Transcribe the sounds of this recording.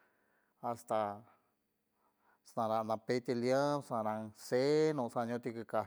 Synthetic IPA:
ast̪a | snãɾãʔnãpet̪iljə̃sãɾãsenũsãɲõt̪ikɨka

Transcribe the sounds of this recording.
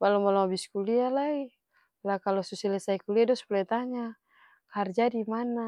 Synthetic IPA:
balɔmalɔabiskulialai | lakalɔsusilɛsaikuliadɔspulɛt̪aɲa | kard͡ʒadimana

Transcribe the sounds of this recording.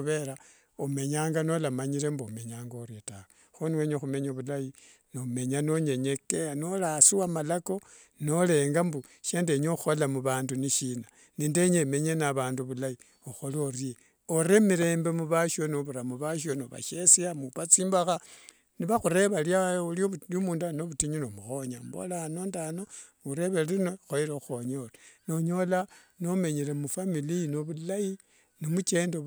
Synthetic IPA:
uβe̞ɾa | ome̞ɲaːŋɡanolamaɲiɾe̞mbome̞ɲaːŋɡoɾjetawe | xoniweɲexume̞ɲoβulaji | nome̞ɲano̞ɲe̞ɲekeanolasiwamalako̞ | no̞le̞ːŋɡambu | ʃendeɲoxolamuβaːnduniʃina | niːndeɲeme̞ɲenaβaːnduβulai | oxo̞lorie | oɾemiɾe̞ːmbe̞muβaʃonoβuɾamuβaʃonoβa̰ʃesiamupat͡siːmbaxa | niβaxuɾe̞βaljauljolomuːndanoβutiɲunomuxoɲambo̰lanondano | uɾe̞βelino̞xoiɾeuxoɲoleno̞ɲo̞la | no̞me̞ɲelemufamilinoβulai | nomut͡ʃe̞ːndo

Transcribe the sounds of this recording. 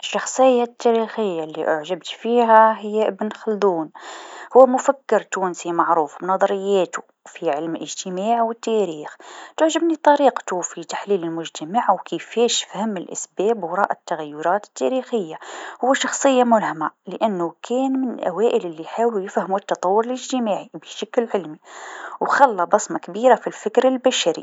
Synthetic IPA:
ʔəʃːɑxsˤəjːat̪ːæɾixəjːalːiʔʊʕʒəbt̪fiɦæɦəjːæʔəbnxɑld̪uːnhʊwːæmʊfækːəɾt̪uːnsimɑʕɾuːfnɑðˤɑɾəjːæt̪u | fiʕəlmlʔəʒt̪əmaːʕwət̪ːæɾiːxt̪ʊʕʒəbnit̪ˤɑɾiqt̪ufit̪ḁħliləlmʊʒt̪əmaʕwkʰəfæʃfhæmːɪlʔæ̰sbæːbwɑɾˤɑ̰ːʔat̪ːaɣæjːʊɾˤɑːt̪ə̥t̪ːæ̰ɾixəjːahʊwːæʃɑxsˤəjːamʊlhamaləʔænːʊkʰɛːnmɪnlʔæ̰wæːʔɪlɪlːiħaːwlujɪfhəmut̪ːɑt̪ˤɑwːʊɾələʒt̪əmaːʕibəʃaklʕɪlmiwxɑlːɑbɑsmakbiːɾafilfɪkɾɪlbæʃaɾḭ

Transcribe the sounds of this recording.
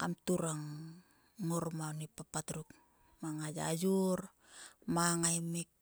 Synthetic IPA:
kamtuɾaŋː | oɾmanipapatɾuk | maŋad͡ʒa̰d͡ʒuɾ | maŋajmik̚

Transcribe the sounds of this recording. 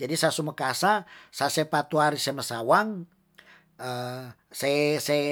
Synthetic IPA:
d͡ʒadisasuməkasasasepat̪uaɾisɛməsawaŋ | ə | sese

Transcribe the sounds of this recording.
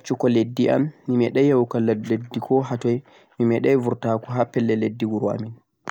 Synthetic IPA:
t͡ʃukɔledːiʔa̰mːimɛɗɛjɛwkalledːikʰɔɦatɔj | mimɛɗɛjvuɾtakɔɦapɛlːɛledːiɡuɾua̰min

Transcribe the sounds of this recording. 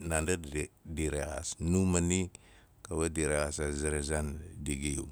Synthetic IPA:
nandadiɾeɣa̰snumani | kaβadiɾeɣasaziɾezandiɡiṵ

